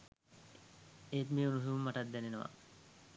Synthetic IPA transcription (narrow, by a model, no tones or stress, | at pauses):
eːt̪miunusuumːɐʈɐt̪̚d̪ɛnenɐʋa̰